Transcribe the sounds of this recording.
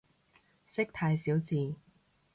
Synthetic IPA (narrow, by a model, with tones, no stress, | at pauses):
sɪ˥k̚t̪ʰaː˧jsiː˨˥wt͡siː˨˩